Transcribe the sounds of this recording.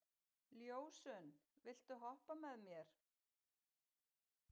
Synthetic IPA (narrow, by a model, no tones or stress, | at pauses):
ljoːwsʏnvɪl̥t̪ʏɦɔhpamɛðmjɛɾ̥